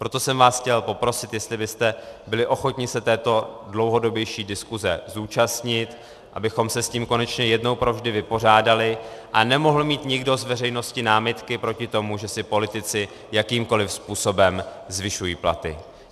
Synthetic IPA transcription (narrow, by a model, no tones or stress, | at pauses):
pɾo̞t̪o̞sɛmvaːsxcɛlpo̞pɾo̞sɪt̪jɛst̪lɪbɪst̪ɛbɪlɪʔo̞xo̞t̪ɲɪsɛt̪ɛːt̪o̞dlowɦo̞do̞bjɛjʃiːdɪskuzɛ̰zuːt͡ʃast̪ɲɪt̪ | ʔa̰bɪxo̞msɛsciːmko̞nɛt͡ʃɲɛjɛdno̞wpɾo̞vʒdɪvɪpo̞r̝aːdalɪʔanɛmo̞ɦl̩miːt̪ɲɪɡdo̞zvɛr̝ɛjno̞scɪnaːmɪt̪kɪpɾo̞cɪt̪o̞muʒɛsɪpo̞lɪt̪ɪt͡sɪ | jakiːmko̞lɪfspuːso̞bɛm | zvɪʃujiːpla̰t̪ɪ̰